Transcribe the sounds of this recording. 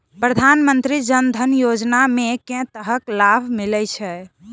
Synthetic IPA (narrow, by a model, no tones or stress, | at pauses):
pɾəd̪ʱanmənt̪ɾid͡ʒənd̪ʱənjod͡ʒnamekɛ̃t̪əɦəklabʱmilɛt͡ʃʰɛ